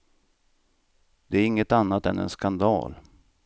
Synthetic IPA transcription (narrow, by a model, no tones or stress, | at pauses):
d̪ɛæɾɪŋːət̪anːat̪ɛnɛ̰nskand̪ɑ̰ːl